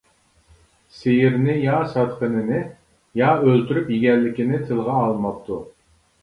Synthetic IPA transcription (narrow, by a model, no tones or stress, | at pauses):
sejɪɾnɪjɑsɑt̪qənɨnɪ | jɑølt̪ʰyɾypjiɡʲɛlːɪkʲinɪt̪ʰɨlˠʁɑːlˠmɑp̚t̪ʰu